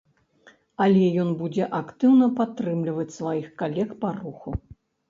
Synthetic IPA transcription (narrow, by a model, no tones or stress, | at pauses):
alʲɛjɔnbud͡zʲɛʔakt̪ɨwnɐpat̪ːɾɨmlʲivɐt͡sʲsvajixkalʲɛkparuxu